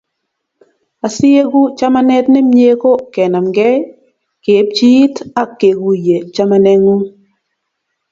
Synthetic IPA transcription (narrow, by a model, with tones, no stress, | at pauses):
a˨sɪ˦e˦ɡu˦t͡ʃa˦ma˦nɛ˦tnɛ˦mje˦ko˦kɛ˨na˨mɡɛ˦ | ke˨˦p̚t͡ʃi˦ta˦kːe˨ɡu˨je˨t͡ʃa˦ma˦nɛ˦ŋu˦